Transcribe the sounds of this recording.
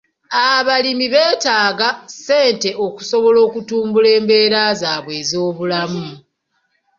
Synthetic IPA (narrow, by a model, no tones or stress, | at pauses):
aβalimiβe̞ːtaːɡase̞ːnte̞oku̥so̞βo̞lo̞ːkutuːmbule̞ːmbe̞ːɾazaːβwe̞ːzo̞ːβulamu